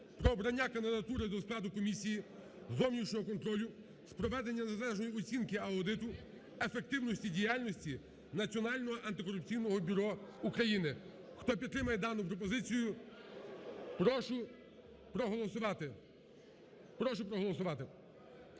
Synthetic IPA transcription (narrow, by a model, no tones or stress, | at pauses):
pɾɔːbɾɐnʲːakɐnd̪ɪd̪ɐt̪uɾɪd̪ɔsklˠɑd̪ʊkɔmʲisʲiji | zɔwnʲit͡ʃnʲɔɦɔkɔnt̪ɾɔlʲʊ | spɾɔʋɛd̪e̞nʲːɐnezlˠɛʒnɔjiɔt͡sʲinkɪɐʊd̪ɪt̪ʊ | efe̞k̚t̪ɪwnɔsʲtʲidʲijalʲnɔsʲtʲi | nɐt͡sʲiɔnɑlʲnɔɦɔʔɐnt̪ɪkɔɾʊp̚t͡sʲijnɔɦɔbʲʊɾɔukɾɐjinɪ | xt̪ɔpʲid̪̚ɾɪmɐjɛd̪ɑnʊpɾɔp̬ɔzɪt͡sʲijʊ | pɾɔʃʊ | pɾɔɦɔlˠɔsʊʋɑt̪ɪ | pɾɔʃʊpɾɔɦɔlˠɔsʊʋɑt̪ɪ